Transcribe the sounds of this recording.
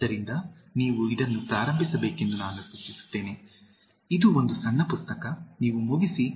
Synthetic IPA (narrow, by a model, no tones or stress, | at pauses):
d̪ɐɾind̪ɐniːʋuid̪ɐnːupɾaːɾɐmbʱisɐbeːke̞nd̪unaːnusutːisu̥t̪ːe̞ːne | id̪uo̞nd̪usɐnːɐpust̪ɐkɐniːʋumuɡisi